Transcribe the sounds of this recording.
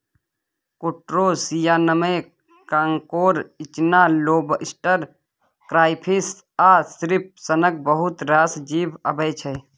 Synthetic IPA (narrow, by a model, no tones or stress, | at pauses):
kuʈɾoːsijaːnəməj | kaŋkoːɾɪt͡ʃnaːloːbɪsʈəɾ | kɾaːɪpʰis | aːsɾip̚sənək̚bəɦʊt̪ɾaːsd͡ʒiːbəbəjt͡ʃʰɛː